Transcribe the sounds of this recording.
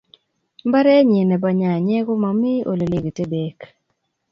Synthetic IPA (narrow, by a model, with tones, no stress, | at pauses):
mba˦ɾɛ˦ɲi˨nɛ˨ba˨ɲa˨ɲɛ˦ɡɔ˦ma˨mɪ˦ʔo̰˨lo˨le˨ɡe˨te˦be˨k